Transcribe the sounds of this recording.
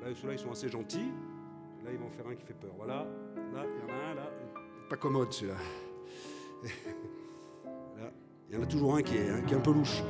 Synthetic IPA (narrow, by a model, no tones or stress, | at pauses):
lasəlailsɔ̃aseʒɑ̃t̪i | elaivɔ̃ɑ̃fɛʁɛ̃kʲi̥fɛpœːʁvwalaɑ̃najɑ̃naɛ̃lã | pakɔmɔd̪syla | ala | ljɑ̃nat̪uʒuʁɛ̃kʲiɛɛ̃kʲiɛɛ̃pøluʃ